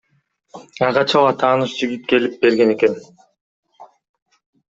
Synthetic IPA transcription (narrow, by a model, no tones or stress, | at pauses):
ɑʁɑt͡ʃʰalˠɑt̪ʰɑːnɯʃd͡ʒiɡip̚ke̞lip̚be̞ɾɡe̞ne̞ke̞n